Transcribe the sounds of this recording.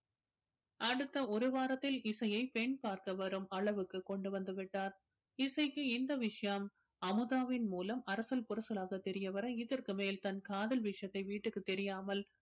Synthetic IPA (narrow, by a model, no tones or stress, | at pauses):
ʔɐɽɯt̪ːɐɔɾɯʋaːɾɐt̪ːɪlɪsɐjɐɪpɛɳpaːɾkɐʋɐɾɯmɐɭɐʋɯkːɯkːɔɳɖɯʋɐnd̪ɯʋɪʈːaːɾ | ɪsɐɪkːɯɪnd̪ɐʋɪʂɐjɐm | ɐmɯðaːʋɪnmuːlɐmɐɾɐsɐlpʊɾɐsɐlaːɣɐt̪ɛɾɪjɐʋɐɾɐɪðɐɾkɯmeːlt̪ɐnkaːðɐlʋɪʂɐjɐt̪ːɐɪʋiːʈːɯkːɯt̪ɛɾɪjaːmɐl